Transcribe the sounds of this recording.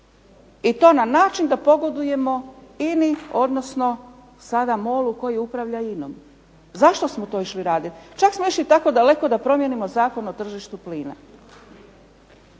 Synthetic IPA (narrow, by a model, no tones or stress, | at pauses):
it̪o̞ːnanaːt͡ʃind̪apo̞ɡo̞d̪uje̞mo̞inio̞d̪no̞sno̞ | sad̪amoːluko̞jiupɾaʋʎaino̰m | zaʃt̪o̞smot̪o̞ːiʃliɾaːd̪it̪t͡ʃaksmo̞iʃlit̪ako̞d̪ale̞kod̪apɾo̞mje̞nimo̞zaːko̞no̞t̪r̩ʒiʃt̪upliːna̰